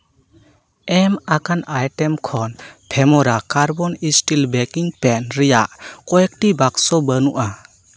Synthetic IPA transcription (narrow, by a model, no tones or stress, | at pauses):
ɛmakanajʈɛmkʰɔnpʰɛmɔɾakaɾbɔnisʈilbɛkiŋpɛnɾijaʔkɔjek̚ʈibaksɔbənuʔa